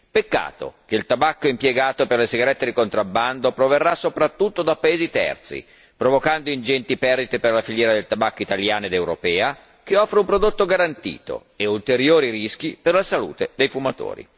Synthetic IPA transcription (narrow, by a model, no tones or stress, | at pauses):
pekːa̰ːt̪o̰k̟eilt̪abakːoimpjeɡaːt̪operlesiɡaɾɛt̪ːed̪ikont̪ɾabːand̪opɾoverːasːopɾat̪ːut̪ːod̪apːaeːzit̪ɛ̰rt̪sḭ | pɾovokand̪oind͡ʒɛnt̪ipɛrd̪it̪eperlafiljɛːɾad̪elt̪abakːoit̪aljaːnoed̪ewɾo̰pɛːa | keɔfɾeumpɾod̪ot̪ːoɡaɾant̪ḭːt̪o̰ | eult̪eɾjoːɾiɾisk̟iperlasalṵːt̪ed̪ejfumat̪o̰ːɾḭ